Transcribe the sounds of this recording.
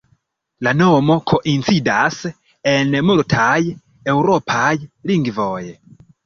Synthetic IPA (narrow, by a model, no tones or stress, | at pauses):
lanomo̞kʰoʔint͡sidas | enmultʰaj | ewɾopʰajliŋɡvoje